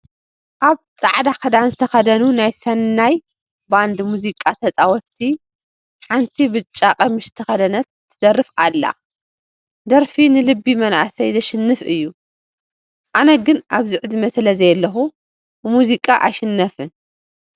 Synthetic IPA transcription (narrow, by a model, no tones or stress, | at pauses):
ʔaβ | t͡sʼaʕd̪akɐd̪anzɨt̪ʰɐxɐd̪ɐnunajsɐnːaj | band̪muzikʼat̪ʰɐt͡sʼawɔt̪ʰːi | ħant̪ʰibɨt͡ʃʼːaqʼɐmɨʃɨt̪ʰɐxɐd̪ɐnɐt̪ːɨd̪ɐrːɨfalːa̰ | d̪ɐɾfinɨlɨbːimɐnʔa̰ʔsɐjzɐʃɪnːɨfʔɨjːu | ʔanɐɡɨnʔaβzɨʕd̪imɐslɐzɐjlːɐxu | bɨmuzikʼaʔajʃɪnːɐfɨn